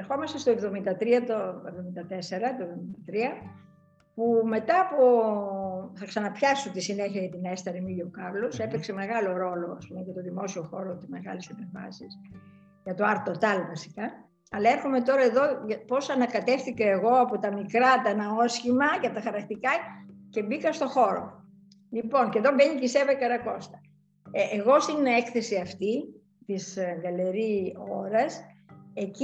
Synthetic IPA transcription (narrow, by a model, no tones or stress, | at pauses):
eɾxo̞mɐst̪est̪oevðo̞mind̪ɐt̪ɾiɐt̪oevðo̞mind̪ɐt̪e̞se̞ɾɐt̪oevðo̞mind̪ɐt̪ɾiɐ | pume̞t̪ɐːpo | θɐksɐnɐpçɐsut̪isineçiɐʝɐt̪inest̪ɐɾimiʎokɐɾlose̞pekse̞me̞ɣɐlo̞ɾo̞lo̞ɐspumeʝɐt̪oðimo̞sio̞xo̞ɾot̪izme̞ɣɐ̰lesɐpeɱvɐ̰sis | ʝɐt̪oɐɾt̪o̞t̪ɐlvɐsi̥kɐ | ɐlɐe̞ɾxome̞t̪o̞ɾɐe̞ðo̞ɐpo̞sɐnɐkɐt̪e̞fθikɐe̞ɣo̞ɐpot̪ɐmikɾɐt̪ɐnɐo̞sçimɐʝɐt̪ɐxɐɾɐkt̪ikɐce̞bikɐst̪o̞xo̞ɾo̞̰ | lipo̞nɲce̞ðo̞beɲicisevɐkɐɾɐko̞st̪ɐ̥ | eɣo̞st̪inekθe̞siɐft̪i | t̪isðɐleɾio̞̰ɾɐse̞c